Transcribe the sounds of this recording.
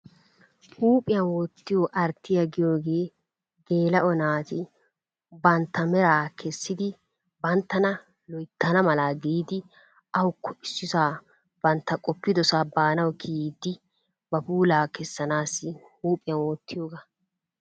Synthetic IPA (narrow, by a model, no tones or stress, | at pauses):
huːpʼɪjɐnwɔt̪ːɪjoʔɐɾt̪ːɪjɐɡɪjoːɡe̞ː | ɡeːlɐʔɔnaːt̪ɪ | bɐnt̪ːɐmɛɾaːkʰɛsːɪd̪ɪ | bɐnt̪ːɐnɐ | lɔjt̪ːɐnɐmɐlaːɡiːd̪ɪ | ʔɐwʊkːɔʔɪsːɪsaː | b̥ɐnt̪ːɐkʼɔpːɪd̪ɔsaːbaːnɐwkʰiːd̪ːɪ | bɐpuːlaːkɛsːɐnaːsːɪhuːpʼɪjɐnwɔt̪ʰːɪjoːɡɐ